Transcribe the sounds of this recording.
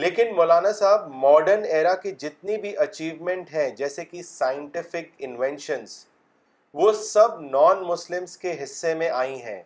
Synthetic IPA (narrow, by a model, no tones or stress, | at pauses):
leːkɪnmoːlaːnasaːbmɔːɖəɾneːɾakid͡ʒɪt̪̚nibʱiʔɐt͡ʃiːʋmɛ̃ɳʈɦɛ̃d͡ʒɛːsekisaːɪə̃ɳʈɪfɪkɪ̃nʋɛ̃nʃə̃nz | ʋosɐbnɔːnmʊslɪmzkeɦɪsːemẽʔaːĩɦɛ̰̃ː